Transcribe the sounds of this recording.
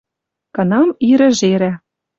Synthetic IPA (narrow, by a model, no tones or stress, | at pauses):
kɤ̆nɑmiɾɘ̆ʒeɾæ